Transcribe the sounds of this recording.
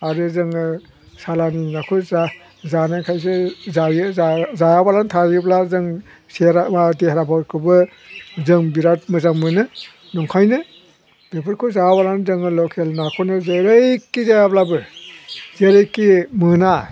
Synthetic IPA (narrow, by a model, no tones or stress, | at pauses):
aɾɯzɯŋɯ | salaninakʰuza | zanakʰajs̬ezajɯazajabalantʰaɾjɯblazɯŋ | seɾaadehɾapʰawkʰɯbɯ | zɯŋbiɾat̚mɯzaŋmɯnɯ | nɔŋkʰajnɯ | bepʰɯɾkʰuzabalanzɯŋɯlɔkʰelnakʰonɯzeɾejkːizajablabɯ | zeɾejkːimɯna